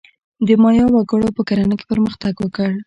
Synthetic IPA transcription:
d̪əmɑjɑwaɡəɽopəkaɾanəke̥pəɾməxt̪aɡwəkəɽ

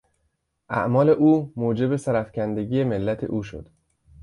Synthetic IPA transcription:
ʔæ̰ʔmɒːle̞ʔuːmoːd͡ʒe̞be̞sæɾæfcʰænd̪eɟiːjemelːæt̪ʰḛʔuːʃo̞̰d̪̥

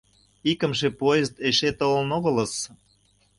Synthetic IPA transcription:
ikə̆mʃepoezt̪eʃet̪olnoɣə̆ləs

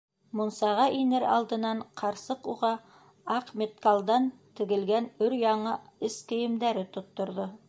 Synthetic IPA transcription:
mŏnsɑʁɑʔinɘɾɑ̰lˠd̪ɤ̆nɑɴqʰɑɾsɤquʁɑ | ɑqmʲet̪̚kalˠd̪ɑnt̪ɘ̆ɡɘ̆lɡænɵɾjɑɴɑɘskɘ̆jɘ̆md̪æɾɘt̪ŏt̪ːŏɾðo

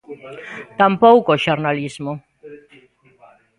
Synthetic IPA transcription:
t̪ampɔwkoʃornalismu

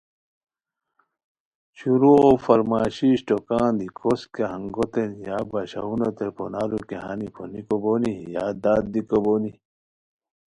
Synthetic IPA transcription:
ɕuɾuofɐɾmaːɕiɕʈokãːnd̪ikʰoskeɦɐŋɡot̪enjaːbɐɕa̰unot̪epo̰naːɾukeɦanipʰonikoboːnijaːd̪aːd̪̚d̪ikoboːni

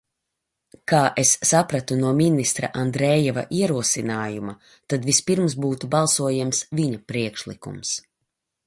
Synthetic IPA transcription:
kaːʔesːapɾat̪unuɔminist̪ɾa̰ʔand̪ɾɛːjɛva̰ʔiɛɾuɔsinaːjuma | t̪ad̪vispiɾmsbuːt̪ubalˠsuɔjamsviɲapɾiɛkʃlˠḭkṵms

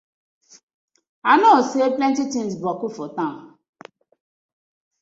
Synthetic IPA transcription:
anɔseeplɛ̃ntitinsbɔkufɔtã

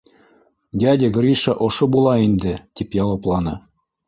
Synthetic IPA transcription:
d̪ʲɑdʲɘ̆ɡrʲiʃɑʔoʃɤ̆bulˠɑind̪ɘ̆t̪ʲipjɑwɤ̆plˠɑnɤ̆

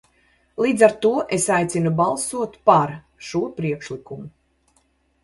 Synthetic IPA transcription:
lˠiːd̪zaɾt̪uɔʔesajt̪sinubalˠsuɔt̪paɾ | ʃuɔpɾiɛkʃlˠikumu

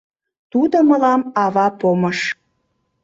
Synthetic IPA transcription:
t̪ud̪oməlɑmɑβɑpoməʃ

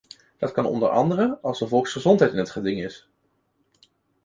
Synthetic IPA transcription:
d̥ɑtkɑnɔ̰ndə̰ɹʔɑ̰ndərəɑlˠzdəvɔlˠksχəzɔntɦɛjtɪnɦətχədɪŋɪs

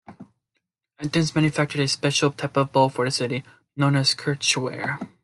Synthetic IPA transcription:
ɨt̚dɪ̃nzmæ̃njɨfɛk̚tɨɾɨspɛʃl̩ˠtʰaɪpʌvbɔlˠfə˞ðɨsɪɾi | nõʊ̃nɨz̥kʰɜ˞t͡ʃwɛ̰ɹ

